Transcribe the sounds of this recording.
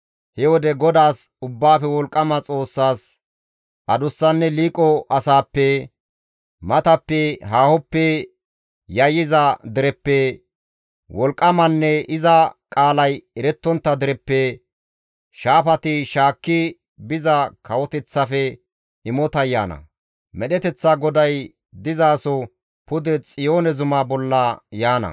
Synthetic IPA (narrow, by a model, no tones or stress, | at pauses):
hɛwɔd̪ɛɡɔd̪aːsʊbːaːfɛwɔlkʼːɐmɐt͡sʼo̞ːsːaːs | ʔɐd̪ʊsːɐnːɛliːkʼɔʔɐsaːpːɛ | mɐt̪ɐpːɛɦaːhɔpːɛ | jɐjɪzɐd̪ɪɾɛpːɛ | wɔlkʼːɐmɐnːɛɪzɐkʼaːlɐjɛɾɛt̪ːɔnt̪ːɐd̪ɪɾɛpːɛ | ʃaːfɐt̪ɪʃaːkːɪ | bɪzɐkʰɐwɔt̪ɛt͡sːɐfɛ | ɪmɔt̪ɐjːa̰ːnɐ̰ | mɛɗɛt̪ɛt͡sːaɡɔd̪ɐj | d̪ɪzaːsɔ | pʊd̪ɛt͡sʼɪjo̞ːnɛzʊmaːbɔlːɐjaːnɐ̰